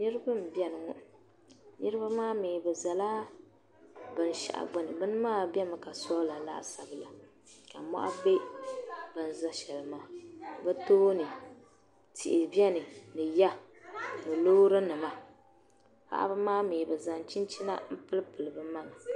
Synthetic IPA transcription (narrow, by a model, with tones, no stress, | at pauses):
nɨ˦ɾɨ˦bɨ˦m̩˨bjɛ˦nɨ˨ŋɔ˦ | nɨ˦ɾɨ˦ba˦maː˦meː˨bɛ˨za˨laː˦ | bɨ˨n˨ʃa̰˨ʔa̰˨ɡ͡bʊ˦nɨ˨bɨ˦n˦maː˦˨bɛ˦mɨ˨ka˨sɔ˦la˨la̰˦ʔsa˨bɨ˨la˨ | ka˨mɔ̰˦ʔa̰˦be˦ | bɨ˨n˨za˦ʃɛ˨lɨ˨maː˨bɛ˦toː˦nɨ˨ | tḭ˨ʔɪ˨bɛ˦nɨ˨nɨ˨ja˦ | nɨ˨loː˦ɾɨ˦nɨ˨ma˨ | pa̰˦ʔa̰˦ba˦maː˦meː˨bɨ˨za˨nt͡ʃi˦nt͡ʃi˦na̰˦m̩˦pɨ˦lɨ˦pɨ˨lɨ˨bɨ˨ma˦ŋa˨